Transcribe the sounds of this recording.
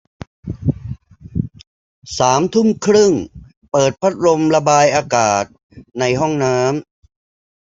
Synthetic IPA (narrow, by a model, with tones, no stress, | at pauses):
saː˩˦mt̪ʰu˥˩mkʰɾɯ˥˩ŋ | pɤː˨˩t̪̚pʰa˦˥t̪̚ɾo˧mla˧baː˧jʔaː˧kaː˨˩t̪̚ | na˧jɦɔ˥˩ŋnaː˦˥m